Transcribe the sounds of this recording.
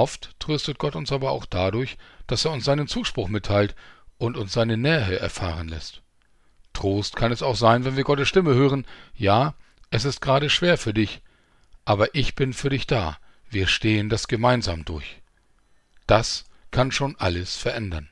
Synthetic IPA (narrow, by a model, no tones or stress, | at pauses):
ʔɔftːʁ̥øːstət̚ɡ̥ɔtʊnsʔaːbɐa̰ʊxd̥aːdʊɐçd̥aseːɐʊnsz̥aɪnənt͡suːʃpʁ̥ʊxmɪtʰːaɪltʔʊntʊnsz̥aɪnənɛːʁəʔɛ̰ɐfa̰ːʁ̞ənlɛ̰st | tʁ̥oːstkʰanɛsaʊxz̥aɪnvɛnviːɐɡɔtəsʃtɪməhøːʁ̞ənjaː | ʔɛsɪst̚ɡ̥ʁaːɾəʃv̥eːɐfyːɐdɪç | ʔaːbɐʔɪçb̥ɪnfyːɐdɪçd̥a̰ː | viːɐʃteːəndasɡ̥əmaɪnza̰ːmdʊ̰ɐç | d̥askʰanʃoːnʔaləsfɛɐʔɛndɐn